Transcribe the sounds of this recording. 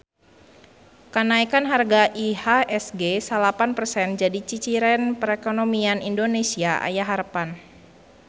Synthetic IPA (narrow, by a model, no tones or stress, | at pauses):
kənaikanɦarɡaʔihaɛsɡesalapanpərsɛnd͡ʒadit͡ʃit͡ʃiɾɛnpəɾɛkonomianindonesiaʔa̰jaɦaɾpan